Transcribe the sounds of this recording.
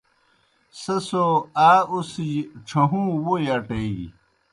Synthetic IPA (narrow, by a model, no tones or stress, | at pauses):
sesoaːusiʈ͡ʂʰɐɦũːwojɐʈei